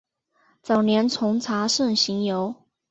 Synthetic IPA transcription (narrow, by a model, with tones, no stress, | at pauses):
t͡sɑ˨˩ʊnjɛ˧˥nt͡sʰʊ˧˥ŋt͡sʰa˧˥ʂə˥˩ŋɕi˧˥ŋjo˧˥ʊ